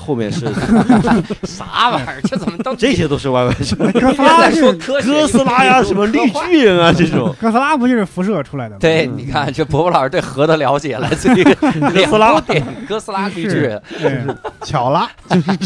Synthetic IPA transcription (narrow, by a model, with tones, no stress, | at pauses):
xo˥˧ʊmjɛ̰˥˧nʂɻ̩˥˧˩ | sa̰˧˥mə˧˨˩ɛ˥˩t͡sə˨˩mə˥˧˥ʈ͡ʂɤ˥˩ɕjɛ˥t̪o˥ʊʂɻ̩˥˧wa˥˧ɪwe˧˩ɪʈ͡ʂə˨˧˩kɤ˥sa˥˧˥wɔ˥kʰɤ˥kɤ˥s̩˥la˥ja˧ʂə˧˥nmə˧li˥˧t͡ɕy˥i˧˥ŋɐ˩ʈ͡ʂɤ˥˩ʈ͡ʂʊ̰˨˩˦ŋkɤ˥s̩˥la˥pu˧˥t͡ɕy˥˧ʂɻ̩˥˩fu˧˥ʂɤ˥˩ʈ͡ʂʰu˥la˧˥ɪd̪ə˧˩t̪we˥˩ɪni˨˩kʰa˥˩nt͡ɕɛ˥˩˧pwɔ˧˥pɔ˥˩a˞˨˧˨t̪we˥˩ɪxɤ˧˥d̪ə˧ljɑ˧˥ʊt͡ɕjɛ˨˩la̰˧˥ɪt͡s̩˥˩˧ɤ˥˧s̩˥la˥t̪ɛ˨˩nkɤ˥sɹ̩˥la˥py˧˥ɻ̩˥˩˥ | t͡ɕʰjɑ˨˩ʊla˥t͡ɕo˥˧ʊʂ̩˥˩